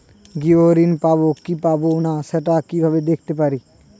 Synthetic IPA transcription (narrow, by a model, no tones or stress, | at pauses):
ɡioɾinpabokipabonaʃɛʈakibʱabed̪ekʰt̪epaɾi